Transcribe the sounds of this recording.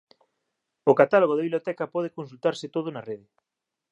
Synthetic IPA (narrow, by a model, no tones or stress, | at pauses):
okat̪aloɣoðɪβiβljot̪ɛkɐpɔð̞ekonsult̪aɾsɪt̪oð̞onɐreðɪ